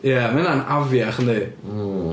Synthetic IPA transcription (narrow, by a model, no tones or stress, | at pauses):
jamɪnanavjaχəni